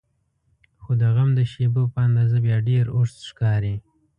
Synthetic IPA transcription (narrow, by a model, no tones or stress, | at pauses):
xod̪əɣamd̪əʃebopəand̪ɑzabjɑɖeɾoʂt̪ʃkɑɾi